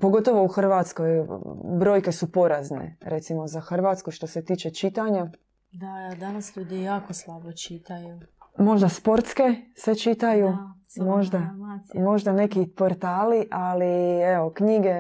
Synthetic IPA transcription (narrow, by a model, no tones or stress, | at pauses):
po̞ɡo̞t̪o̞ʋo̞uxr̩ʋaːt̪sko̞jbɾo̞jke̞supo̞ɾaznḛɾʔe̞t̪simo̞zaxr̩ʋaːt̪skuʃt̪o̞se̞t̪iːt͡ʃe̞t͡ʃit̪aɲa | d̪ad̪anasʎuːd̪ijaːkoslˠabot͡ʃit̪ajumo̞ʒd̪aspo̞ɾt̪ske̞set͡ʃit̪aju | mo̞ʒd̪amo̞ʒd̪ane̞kipo̞ɾt̪aːliʔalieo̞kɲiɡe̞